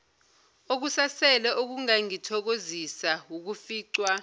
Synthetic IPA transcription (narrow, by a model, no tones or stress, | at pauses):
ok̬usasɛlɛʔok̬uŋaŋitʰɔk̬ozisawuk̬ufiːǀwa